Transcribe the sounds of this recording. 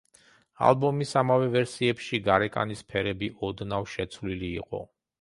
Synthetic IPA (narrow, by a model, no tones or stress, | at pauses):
a̰lˠbɔmisamavɛvɛɾsiɛpʃiɡaɾɛkʼa̰nispʰɛɾɛbiʔɔd̪navʃɛt̪sʰvliliːqʼɔ̰